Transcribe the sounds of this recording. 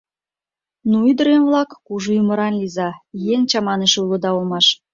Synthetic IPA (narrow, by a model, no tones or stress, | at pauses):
nuyd̪ə̆ɾenβlɑkːuʒuumə̆ɾɑnlizɑjeŋt͡ɕɑmɑneʃulŏd̪ɑolˠmɑʃ